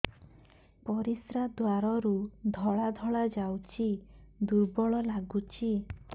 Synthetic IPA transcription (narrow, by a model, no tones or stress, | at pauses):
pɔɾisɾad̪waɾɔɾud̪ʱɔɭad̪ʱɔɭad͡ʒawt͡ʃʰid̪uɾbɔɭɔlaɡut͡ʃʰi